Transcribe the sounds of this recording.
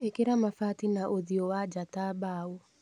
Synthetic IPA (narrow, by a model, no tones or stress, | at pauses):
ekeɾamafatinaʔoðiɔwad͡ʒatabaːɔ